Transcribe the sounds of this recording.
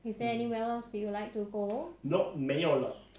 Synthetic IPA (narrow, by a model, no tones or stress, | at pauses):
hisɛɛniwɛlsiwulajk̚tuɡonɔʔ̚mɛɔlɔ̰t̚